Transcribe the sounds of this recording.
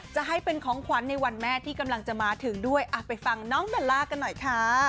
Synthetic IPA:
t͡ɕa˨˩ɦa˥˩jpe˧nkʰɔː˩˦ŋkʰwa˩˦nːa˧jwa˧nmɛː˥˩t̪ʰiː˥˩ka˧mla˧ŋt͡ɕa˨˩maː˨˦t̪ʰɯ˩˦ŋdu˥˩əjʔaː˨˩t̪̚pa˧jfa˧ŋnɔː˦˥ŋdɔː˨˩llaː˧˩ka˧nːɔ˨˩jkʰa˦˥

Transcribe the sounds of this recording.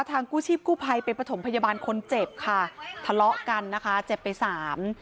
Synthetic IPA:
t̪ʰaː˧ŋkuː˥˩t͡ɕʰiː˥˩p̚kuː˥˩pʰa˧jpa˧npɾa˧t̪ʰo˩˦mpʰa˧jaː˧baː˧nkʰo˧nt͡ɕe˨˩p̚kʰa˥˩t̪ʰa˧lɔ˦˥ʔka˧nːa˦˥kʰa˦˥t͡ɕe˨˩pːa˧jsaː˩˦m

